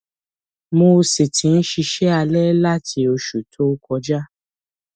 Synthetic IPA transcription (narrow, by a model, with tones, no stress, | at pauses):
mo˧si˨tʰĩ˨˦n̩˦ʃi˧ʃɛ˦a˧lɛ˦la˦tʰi˧o˧ʃu˨tʰo˦kɔ˧d͡ʒa˦